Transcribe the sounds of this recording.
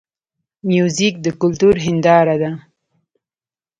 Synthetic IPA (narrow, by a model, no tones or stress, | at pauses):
mjuzik̚d̪əkʊlt̪uɾɦɪnd̪ɑɾad̪a